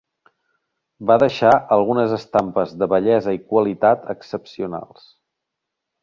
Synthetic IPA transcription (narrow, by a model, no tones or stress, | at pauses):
baðəʃaʔəlˠɣunəzəst̪ampəzðəβəʎɛzəikwəlit̪at̪əksəpsiuna̰lˠs